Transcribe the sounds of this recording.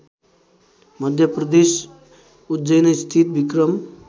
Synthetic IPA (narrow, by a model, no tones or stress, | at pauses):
mʌd̪ʱjʌprʌd̪es | ut̪d͡ʒʌjnʌst̪ʰit̪̚bikɾʌm